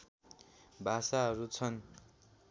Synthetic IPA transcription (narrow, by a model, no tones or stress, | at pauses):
bʱasaɦʌɾut͡sʰʌn